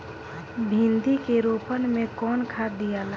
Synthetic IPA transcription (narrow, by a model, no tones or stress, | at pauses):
bʱĩnd̪ikeɾoːpənmẽkɔːnkʰaːd̪ijala